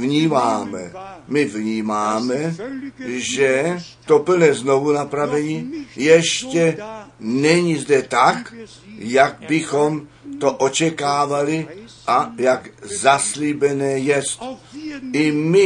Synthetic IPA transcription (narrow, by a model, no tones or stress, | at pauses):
vɲiːmaːmɛ̰mɪvɲiːmaːmɛ | ʒɛ | t̪o̞pl̩nɛːzno̞vunapɾavɛɲiːjɛʃcɛnɛɲizdɛt̪ak | jaɡ̚bɪxo̞m | t̪o̞ʔo̞t͡ʃɛkaːvalɪʔajaɡzaslibɛnɛːjɛst̪ʔɪmɪ